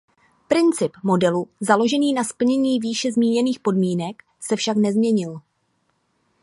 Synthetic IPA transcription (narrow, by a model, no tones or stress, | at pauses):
pɾɪnt͡sɪpmo̞dɛluzalo̞ʒɛniːnaspl̩ɲɛɲiːviːʃɛzmiːɲɛniːxpo̞dmiːnɛk | sɛfʃaknɛzmɲɛɲɪl